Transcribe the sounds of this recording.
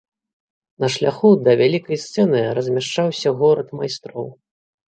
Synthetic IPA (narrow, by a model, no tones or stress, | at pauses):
nɐʂlʲaxud̪ɐvʲalʲikɐjst̪sɛnɨɾɐzʲmʲaʂt͡ʂawsʲɐɣɔɾɐt̪majst̪ɾɔ̰w